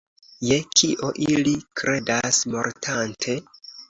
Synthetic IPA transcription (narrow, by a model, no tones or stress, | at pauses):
je̞kʰiʔo̞ʔilikɾe̞dasmo̞̰ɾtʰantʰe̞